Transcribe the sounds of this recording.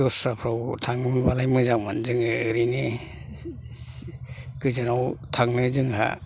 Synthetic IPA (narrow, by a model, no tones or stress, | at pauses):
ɔsapʰɾawtʰaŋnɯbalajmɯzaŋmanzɯŋɯɯɾine | kɯzɯnawtʰaŋnɯzɯŋɦa̰